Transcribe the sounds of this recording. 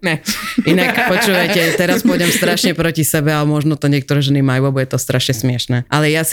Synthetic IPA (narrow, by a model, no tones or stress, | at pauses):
ɲɛʔinakppɔt͡ʃuːʋajcɛt̪ɛɾaspɔjɟɛmst̪ɾaʃɲɛpɾɔcisɛbɛaɛmɔʒnɔt̪ɔɲɪɛkt̪ɔɾɛːʒɛnimajuabuɟɛt̪ɔst̪ɾaʃɲɛsmɪɛʃnɛːʔalɛjas